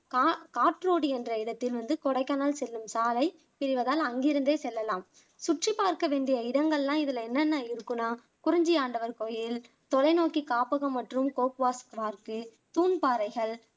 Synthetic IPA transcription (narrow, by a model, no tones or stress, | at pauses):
kːkaːʈɾoːɽiɛndrɐɪɽɐt̪ːɪlʋɐnd̪ɯkɔɽɐɪkːanaːlsɛlːɯmsaːlɐɪ | pɪɾɪʋɐðaːlɐŋɡɪɾɯnd̪eːsɛlːɐlaːm | sʊʈripːaːɾkɐʋeːɳɖɪjɐɪɽɐŋɡɐɭlãːɪðɪlɐɛnːɐnːɐɪɾɯkːɯnaː | kʊɾɪɲd͡ʒɪjaːɳɖɐʋɐɾkɔjɪl | t̪ɔlɐɪnoːkikaːpɐɣɐmːɐʈrɯmkoːpʋaːskʋaːɾkɯ | t̪uːnpaːɾɐɪɣɐɭ